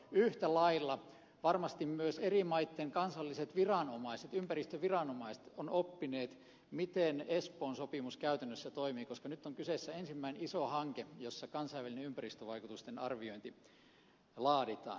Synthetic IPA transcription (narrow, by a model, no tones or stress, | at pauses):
yht̪ælɑilːɑ | ʋɑrmɑst̪immyøserimɑit̪ːeŋkɑnsɑlːiset̪ʋirɑnomɑiset̪ympærist̪øʋirɑnomɑise̥t̪onopːineːt̪ | mit̪enespoːnsopimuskæyt̪ænːøsːæt̪oimiːkoskɑnyt̪ːoŋkyseˑsːæensimːæinenisohɑŋkejosːɑkɑnsɑiʋælineympærist̪øʋɑikut̪ust̪enɑrʋioint̪i | lɑːdit̪ɑ̰ːn